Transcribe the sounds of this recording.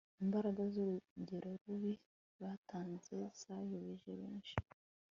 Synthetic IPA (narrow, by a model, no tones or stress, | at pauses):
imbaɾaɡazuɾuɟe̞ɾoɾuβi | βatʰaːnzesajoβeʒeβeːnʃi̥